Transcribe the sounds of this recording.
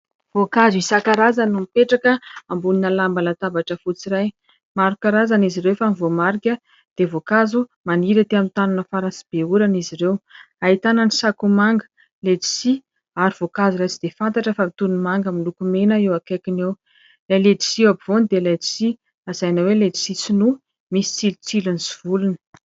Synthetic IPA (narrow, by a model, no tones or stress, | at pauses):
vokazuisakaɾazanumipeʈ͡ʂakəambuninəlambalat̪abaʈ͡ʂəfut͡siɾaj | maɾukaɾazaniziɾewfanivomaɾikʲə | d̪̥evokazumaniɾat̪eamint̪ananəfaɾansib̥euɾaniziɾew | ait̪ananisakumaŋɡə̥ | ledi̥si | aɾiv̥okazulat͡sid̪efant̪aʈ͡ʂəfamit̪unumaŋɡəmilukumenəewakakinew | lajled̪i̥siwabivond̪elad̪i̥si | azajnaweled͡ʒi̥sit͡sinu | misi̥t͡silut͡siluniziv̥ulunə̥